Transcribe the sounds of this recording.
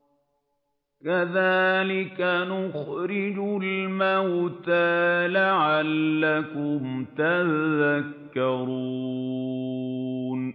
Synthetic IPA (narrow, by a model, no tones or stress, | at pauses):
kaðaːlɪkanʊxɾɪd͡ʒʊlmawt̪aːlaʕalːakʊmt̪aðakːɑɾuː | n